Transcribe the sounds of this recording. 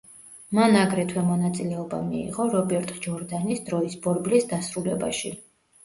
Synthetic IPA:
manaɡɾɛt̪ʰwɛmɔnat̪sʼilɛɔba̰mḭːʁɔɾɔbɛɾt̪ʼd͡ʒɔɾd̪anisd̪ɾɔisbɔɾblisd̪asɾulɛba̰ʃi

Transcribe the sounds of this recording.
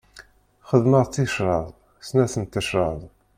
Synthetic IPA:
χəðməʁˤt͡sːiʃɾˤɑðˤ | snæsənt̪ːəʃɾˤɑðˤ

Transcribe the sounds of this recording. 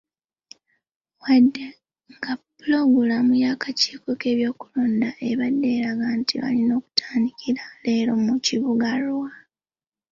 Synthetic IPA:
wadːe | ŋɡapuloɡulamujakaci̥ːko̞ke̞ːβjo̞ːkuloːndaʔe̞βadːe̞ːɾaɡantʰiβa̰lino̞ːku̥tʰaːndikʰiɾaleːɾo̞muciβuɡalwa

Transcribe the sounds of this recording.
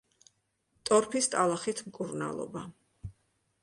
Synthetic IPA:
t̪ʼɔɾpʰist̪ʼalˠaχit̪ʰmkʼuɾna̰lˠɔ̰ba

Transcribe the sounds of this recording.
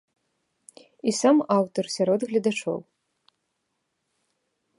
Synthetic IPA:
isamawt̪ɔrsʲaɾɔd̪ɣlʲɐd̪at͡ʂɔ̰w

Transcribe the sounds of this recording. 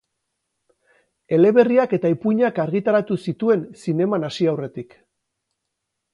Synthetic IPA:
e̞le̞βe̞riake̞t̪aipuɲakaɾɣit̪aɾat̪usit̪ue̞nsine̞manasiawre̞t̪ik

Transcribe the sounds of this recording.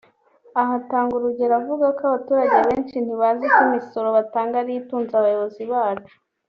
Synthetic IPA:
aɦataːŋɡuɾuɟe̞ɾavuɡakaβatuːɾaɟeaβeːnt͡ʃin̥huβaːzikumiso̞ɾo̞βataːŋɡaɾijituːnzaβajoβo̞ziβaːt͡ʃu̥

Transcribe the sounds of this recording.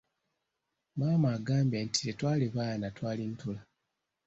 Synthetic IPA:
maːmaːɡaːmbentʰi̥tetwaːliβaːnatwaːlintula

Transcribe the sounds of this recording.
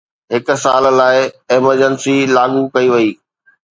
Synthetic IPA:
ɦɪk̆saːllaːɪɛːməɾd͡ʑənsilaːɠukɐiʋɐiː

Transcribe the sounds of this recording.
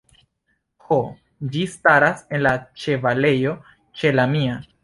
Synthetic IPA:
ho | d͡ʒistaɾase̞nlat͡ʃe̞vale̞jo̞ | t͡ʃe̞lamia

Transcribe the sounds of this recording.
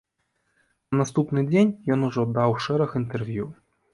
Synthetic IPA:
nɐnast̪upnɨd͡zʲenʲjɔnuʐɔd̪awʂɛɾɐxint̪ɛrvʲju

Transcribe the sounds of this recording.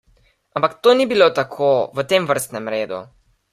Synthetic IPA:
ampakt̪oːnibilot̪akʰoʋət̪emʋəɾst̪nɛmɾeːd̪ṵ

